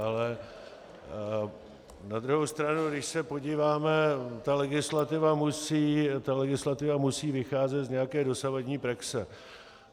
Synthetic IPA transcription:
alɛ | nad̪ɾuɦowst̪ɾanudɪʃsɛpo̞ɟiːvaːmɛt̪alɛɡɪslat̪ɪvamusiːt̪alɛɡɪslat̪ɪvamusiːvɪxaːzɛt̪zɲɛjakɛːdo̞savadɲiːpɾaksɛ

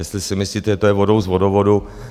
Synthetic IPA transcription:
jɛst̪lɪsɪmɪsliːt̪ɛʒɛt̪ojɛvodowzvodovodu

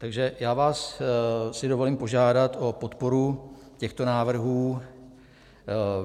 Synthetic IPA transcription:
t̪aɡʒɛjaːvaːs | sɪdo̞vo̞liːmpo̞ʒaːdat̪ʔo̞po̞t̪po̞ɾu | cɛxt̪o̞naːvr̩ɦuː

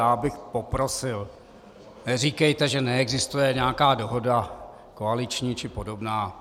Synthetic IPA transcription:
jaːbɪxpo̞pɾosɪl | nɛriːkɛjt̪ɛʒɛnɛɛɡzɪst̪ujɛɲɛakaːdo̞ɦo̞da | koalɪt͡ʃɲiːt͡ʃɪpo̞do̞bnaː

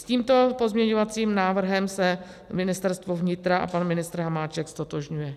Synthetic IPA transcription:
sciːmt̪o̞po̞zmɲɛɲo̞vat͡siːmnaːvr̩ɦɛmsɛ | mɪnɪst̪ɛɾst̪vo̞vɲɪt̪ɾaʔa̰panmɪnɪst̪ɾɦamaːt͡ʃɛkst̪o̞t̪oʒɲujɛ

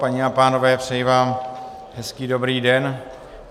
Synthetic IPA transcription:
paɲiapaːno̞vɛːpr̥ɛjvaːm | ɦɛskiːdo̞bɾiːdɛn

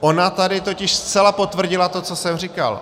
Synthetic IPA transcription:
ʔo̞nat̪adɪt̪o̞cɪʃst͡sɛlapo̞t̪vr̩ɟɪlat̪o̞t͡so̞sɛmrika̰l

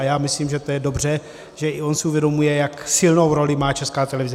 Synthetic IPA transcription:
jaːmɪsliːmʒɛt̪ojɛdo̞brɛ | ʒɛʔɪo̞nsɪuvjɛdo̞mujɛjaksɪlno̞wɾo̞lɪmaːt͡ʃɛskaːt̪ɛlɛvɪz

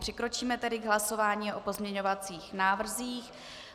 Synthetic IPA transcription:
r̝̥ɪkɾo̞t͡ʃiːmɛt̪ɛdɪɡɦlaso̞vaːɲiːʔo̞po̞zmɲɛɲo̞vat͡siːxnaːvr̩ziːx

